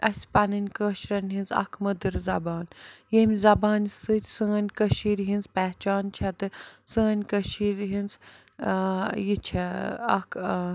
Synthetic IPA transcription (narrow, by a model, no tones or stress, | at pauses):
ɐ̰sʲpɐnɨnʲkəːʃɾɐnʲɦinzɐ̰kʰmɐd̪ɨɾzɐbaːnjemʲzɐbaːnsɨt̪ʲsəːnʲkəʃiːɾɦinzpɛɦt͡ʃaːnt͡ʃʰɛt̪ɨsəːnʲkəʃiːɾʲɦinz | jit͡ʃʰɛɐ̰kʰ